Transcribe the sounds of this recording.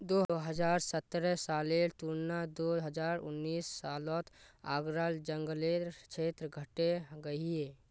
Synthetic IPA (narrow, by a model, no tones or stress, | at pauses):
d̪oːɦəd͡ʒaːɾsət̪ːɾɛsaːlet̪unnad̪oːɦəd͡ʒaːɾʊ̰nːiːsːaːlɔːt̪ʰaːɡɾaːld͡ʒə̃ŋɡəleɾt͡ʃʰeːt̪ɾəɡʱəʈeɡəieː